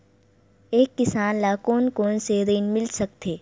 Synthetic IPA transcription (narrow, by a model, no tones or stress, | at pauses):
eːkːɪsaːnlaːkoːnkoːnseɾiːnmɪlsɐk̚t̪ʰeː